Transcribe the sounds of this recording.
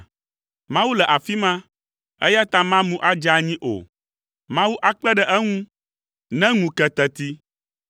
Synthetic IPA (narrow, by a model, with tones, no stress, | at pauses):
mã˦wu˦lɛ˨ʔa˨fi˦mã˦ | ɛ˦ja˦t̪ã˦mã˦mũ˦ʔa˦d͡ʒa˨ɲĩ˦ʔo̰˨ | mã˦wu˦ʔa˦k͡pɛ˦ɖɛ˦ʔɛ˦ŋũ˦ | nɛ̃˦ŋũ˨kɛ˨t̪ɛ˨t̪i˦